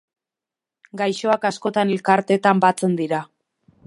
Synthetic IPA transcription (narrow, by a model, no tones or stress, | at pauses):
ɡajʃo̞akasko̞t̪anelkaɾt̪e̞t̪ambat͡se̞nd̪iɾa